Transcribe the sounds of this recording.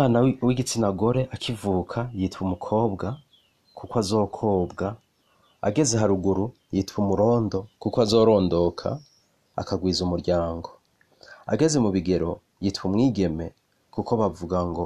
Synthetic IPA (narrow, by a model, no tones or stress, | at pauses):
aːnawiɡit͡sinaɡo̞ɾe̞ʔakʰivuːkʰajitwumukʰo̞ːbɡa | kukwazo̞ːkʰo̞ːbɡa | a̰ɡe̞ze̞ɦaɾuɡuɾu | jitwumuɾo̞ːndo̞kukoazo̞ːɾo̞ːndo̞kʰa̰ː | kaɡwiːzumuɾɟaːŋɡo̞ | a̰ɡe̞ze̞muβiɡe̞ɾo̞ | jitwumŋiːɡe̞me̞ | kuko̞βavuɡaŋɡo̞